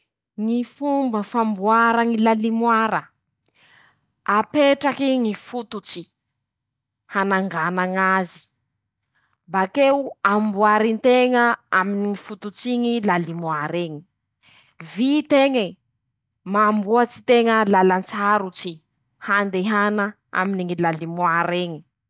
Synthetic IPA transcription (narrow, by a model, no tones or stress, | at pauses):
ŋifumbəfambuaɾaŋilalimwaɾə | apeʈ͡ʂakiŋifut̪ut͡si | hanaŋɡanaŋazi̥ | bakeuambuaɾint̪eŋəa̰miniŋifut̪ut͡siŋilalimwaɾeɲi | vit̪eŋə | maːmbuat͡si̥t̪eŋəlalant͡saɾut͡si | hand̪eɦana | a̰miniŋilalimwaɾeɲi̥